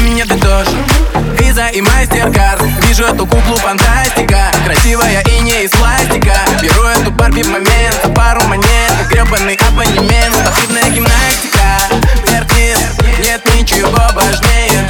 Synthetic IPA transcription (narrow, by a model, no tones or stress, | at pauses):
mʲɪnʲɛd̪ɐd̪oʐɨt̪izɐʔimasʲtʲerɡart̪vʲiʐʊɛt̪ʊkuklˠʊfɐnt̪asʲtʲɪkəkɾɐsʲivəjəʔinʲɪjəisplˠasʲt̪ʲɪkəbʲɪʐuɛt̪ʊparpʲɪvmɐmʲent̪ɐpaɾʊmɐmʲent̪ɐɡɾʲobɐnːɨjʔɛvənʲɪmʲent̪pɐsʲib̪nəjəɡʲɪmnasʲtʲɪ̥kəertʲit̪nʲet̪nʲɪt͡ɕɪvo̞vɐʐnʲejə